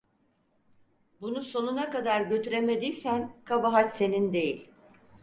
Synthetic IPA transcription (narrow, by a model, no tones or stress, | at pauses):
bunuso̞nunakad̪aɾɟø̞t̪yɾe̞me̞d̪iːsænkʰabaɦat̪se̞nind̪e̞jilʲ